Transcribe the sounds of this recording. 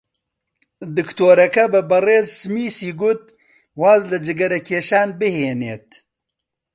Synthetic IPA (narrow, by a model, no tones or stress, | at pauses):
d̪ɨkt̪oːɾɐkɐbɨbɐreːzsɨmiːsiːɡʊt̪̚ | waːzlɨd͡ʒɨɡɐɾɐkʰeːʃaːnbɨheːneːt̪̚